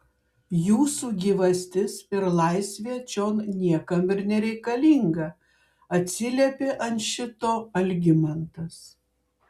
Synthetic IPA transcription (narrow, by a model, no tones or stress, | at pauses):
juːsuːɡʲiːʋɐsʲt̪ʲɪsɪɾlˠɐɪsʲʋʲeːt͡ʃʲoːnnʲiɛkɐmɪɾnʲɛɾʲɛɪkɐlʲiŋɡɐ | ɐt̪ʲsʲɪlʲiɛpʲeːʔɐnʃʲɪt̪oːɐlʲɡʲɪmɐnt̪ɐs